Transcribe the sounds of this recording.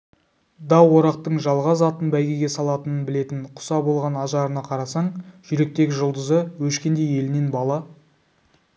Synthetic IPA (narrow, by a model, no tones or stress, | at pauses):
d̪ɑwo̞ɾɑq̚t̪əɴʒɑlˠʁɑzɑt̪ənbæjɡʲe̞ɡʲe̞sɑlˠɑt̪ənənbɪle̞t̪ɪɴqʰʊ̥sɑbo̞lˠʁɑnɑʒɑɾənɑqʰɑɾɑsɑɴʒ̥ʏɾe̞k̚t̪e̞ɡʲɪʒʊlˠd̪əzəwɵʃkʲe̞nd̪e̞je̞lɪne̞nbɑlˠɑ